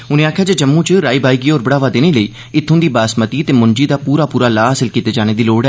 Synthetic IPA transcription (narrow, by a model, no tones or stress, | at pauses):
ʊnẽːaːkʰːjaːd͡ʒeːd͡ʒəmːũːt͡ʃɾaːiːbaːiːɡiːoːɾbəɽaːʋaːd̪eːneːləiː | ɪt̪ʰːõːd̪iːbaːsmət̪iːət̪eːmʊɲd͡ʒiːd̪aːpuːɾaːpuːɾaːlaːɦaːsɪlkiːt̪eːd͡ʒaːñeːd̪iːloːɽɛː